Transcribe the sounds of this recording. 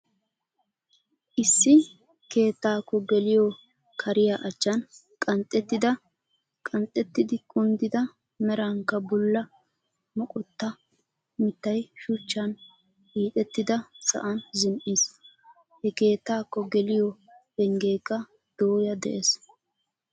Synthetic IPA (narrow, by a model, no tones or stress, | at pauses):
ʔɪsːɪ | ke̞ːt̪ːaːkːɔɡɛlɪjɔ | kʰɐɾɪjaʔɐt͡ʃːɐn | kʼɐnt̪ʼːɛt̪ːɪd̪ɐ | kʼɐnt̪ʼːɛt̪ːɪd̪ɪkʼʊnd̪ɪd̪ɐ | mɛɾɐŋkːɐbʊlːɐ | mɔkʼɔt̪ːɐ | mɪt̪ːɐjʃʊt͡ʃːɐn | hiːt̪ʼɛt̪ːɪd̪ɐsɐ̰ʔɐnzɪmʔiːs | hɛke̞ːt̪ːaːkːɔɡɛlɪjɔ | ɛŋɡe̞ːkːɐ | d̪̥oːjɐd̪ɛ̰ʔes